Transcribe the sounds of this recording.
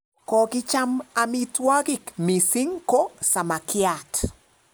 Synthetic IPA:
kɔ˨kɪ˦t͡ʃa˦ma˨mi˦twa˦kɪ˦˨kmi˨si˦ŋko˦sa˨ma˨kɪ˦a˨t

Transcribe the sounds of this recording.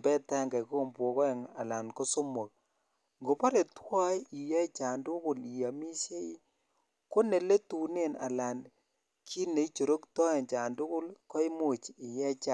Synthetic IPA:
bɛ˦ta˦ŋɡa˨ko˦mbɔ˨kɔ˦ɛ˨ŋa̰˨la˨nko˦so˦mo˨k̚ | ŋɡo˨pa˦ɾe˨twa˦ji˨jɛ˦t͡ʃa˨ndʊ˦kʊ˨li˨ja˨mi˦se˦i˦ | ko˦ne˨le˦tu˨ne˦na̰˨la˨n | kʰi˦ne˨i˦t͡ʃo˨ɾo˦ktɔ˦e˨nt͡ʃa˨ndʊ˦kʊ˦lkɔ˦i˦mu˨t͡ʃi˨jɛ˦t͡ʃa˨

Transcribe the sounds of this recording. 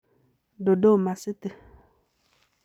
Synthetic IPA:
ɖo˨ɖo˦˨mã˨sɨ˦t̪ɨ˨

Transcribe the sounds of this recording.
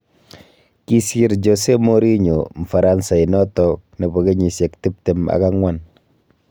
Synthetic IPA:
ki˦si˦ɾd͡ʒose˦mo˦ɾi˦ɲo˨m̩˨fa˨ɾa˦nsa˨i˨nɔ˦tɔ˨ne˨bɔ˨ke˦ɲi˨sɛ˨kti˦p̚tɛ˨ma̰˨ka˦ŋwa˨n

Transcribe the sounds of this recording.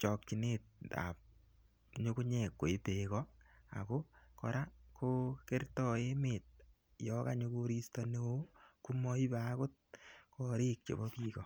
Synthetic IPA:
t͡ʃɔ˨k̚t͡ʃi˨net̚a̰˨p̚ | ɲo˦ku˦ɲe˨kːo˨e˦te˨kɔ˦a̰˨ko˦kɔ˧ɾa˦koke˦rtɔ˨e˦met̚ | jɔka˨ɲo˧ko˧ɾi˦stɔne˦wo˦ku˦mɔ˦i˦ba˦ko˦t̚kɔ˨ɾe˦k̚t͡ʃḛ˨bɔ˦piːkɔ˨

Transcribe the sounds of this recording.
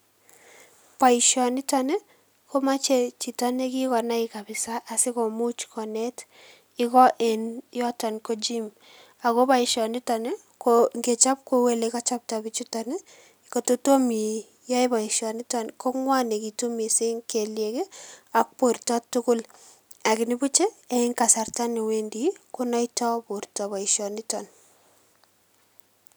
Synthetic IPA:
pa˨i˨ʃɔ˨nɪ˦ta˨ne˦ | ko˦ma˦t͡ʃe˦˨t͡ʃi˨ta˦ne˦ki˦kɔ˨na˦ɪ˨ka˨bɪ˨sa˦ʔa˨sɪ˦ko˨mu˦t͡ʃkʰɔ˨nɛ˦t | ɪ˦kɔ˦ʔe˨njɔ˦ta˨nko˦d͡ʒi˦m | a˨ko˦pa˦i˨ʃɔ˨nɪ˦ta˨ne˦ | koŋɡe˨t͡ʃa˦p̚ko˦we˦le˨ka˦t͡ʃa˦p̚ta˨bi˦t͡ʃu˦ta˨ne˦ | ko˨to˦to˦mi˨ | ja˦jba˨i˨ʃɔ˨nɪ˦tɔ˦nko˦ŋwa˦ne˨ki˨to˦mi˨se˦ŋke˨lje˨ke˦a˨k̚po˨ɾtɔ˦tːʊ˦kʊ˦l | a˨kɪ˨nɪ˦bu˦t͡ʃe˦e˦ɪ˦ŋka˨sa˨ɾta˦ne˨we˦ndi˦ko˦na˦itɔ˦bo˨ɾtɔ˨βa˨iʃɔ˨nɪ˦tɔ˨n

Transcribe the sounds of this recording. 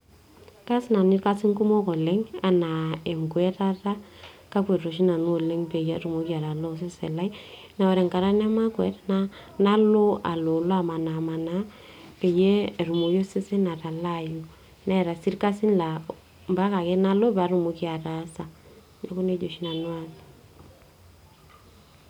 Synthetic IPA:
ka˦si˦na˨ni˦ɾka˦si˦ŋku˦mo˦kɔ˨lɛ˦ŋa̰˨na˨ɛ˨ŋkwɛ˦ta˦ta˦ka˦pwe˨ɾo˨ʃ̬i˦na˨n˦o˨lɛ˦ŋpe˨jɛ˦a˦ɾu˨mo˨˦ki˦a˨ɾa˨lo˦s̬e˦sɛ̰˨la˦i˦ | na˨wɛ˨ɾɛ˨ŋka˨ɾa˦nɛ˦ma˦kwɛ˨˦tna˦ | na˦lo˦a̰˨lo˨lɔ˦a˦˨ma˨na˨ma˨na˦pe˨je˦˨ɾu˨mo˨jo˦se˦sɛ˦na˨ta˨la˦ju˨ | na˦˨ɾa˨si˦ɾka˦si˦nla˨ | mba˦ka˨kɛ˦na˦lo˦pa˨˦ɾu˨mo˦ki˦a˨ta˨˦sa˨ | ja˦ko˦ne˦d͡ʒo˨ʃi˦na˨nwa˦sḁ˨

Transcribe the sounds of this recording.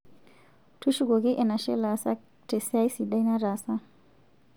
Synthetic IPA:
tʰu˦ʃu˦ɡo˨ɡe˦ʔe˨na˨ʃe˦la˨sa̰˦k̚ | te˨sajsi˨da˧jna˦ɾa˨sa

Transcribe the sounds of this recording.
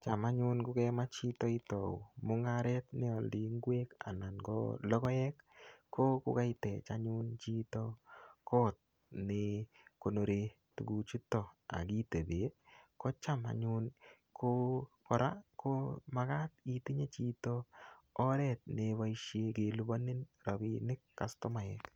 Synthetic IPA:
t͡ʃa˨ma˦ɲʊ˦nkʊ˦kɛma˦t͡ʃi˦tɔ˦i˦tɔ˨u˨mʊ˦ŋaɾɛ˦tnɪ˦ɔ˨ldi˨ŋɡwe˦ka̰˨na˨nɡɔ̰˦lɔ˦kɔ˦jɛ˦kːo˦kʊ˦ka˦ɪtɛ˨t͡ʃaɲʊnt͡ʃi˦tɔkɔ˦t̪̚ | nɪ | ko˨no˨ɾe˦ | tu˨ɡu˨t͡ʃu˦tːɔ˨a̰˨ki˦te˨be˨e˦kɔ˦t͡ʃa˦ma̰˨ɲu˦n | kʰo˦kɔ˨ɾakʰo˦maka˦t̚iti˦ɲe˦t͡ʃi˦toː˦ | ɾɛ˦t̪̚neba˦iʃe˦ke˨lu˦ba˦nɪ˦nɾa˨bḭ˨nɪ˦kːa˨stɔ˦ma˨jɛk

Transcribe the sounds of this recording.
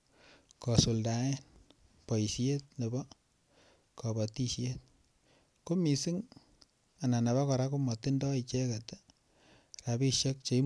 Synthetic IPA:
kɔ˨su˨lda˨e˦n | pɔ˨i˨sje˦t̚ne˨bɔ˦ | kɔ˨bɔ˨ti˦ʃje˦t̚ | ko˦mi˨si˦ŋ | a˨na˨na˨βa˦kɔ˨ɾa˦ku˦mɔ˨ti˦ndɔ˦i˨t͡ʃe˦ka˨t | ɾa˨bi˦ʃe˦k̚t͡ʃe˨i˦

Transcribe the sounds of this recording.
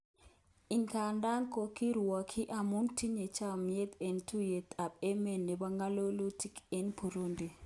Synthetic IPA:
i˨ŋka˨nda˦ŋko˨ki˦ɾa˨kʰi˦ʔa˨mu˦nti˦ɲe˨t͡ʃa˦m˦je˦t̪ɛ˨ntʰu˦je˨t̪a˨pɛ˦mɛ˨nːe˨ba˦ŋɡa˦lo˦lo˦ti˦ke˦npʰu˨ɾo˦nde˨

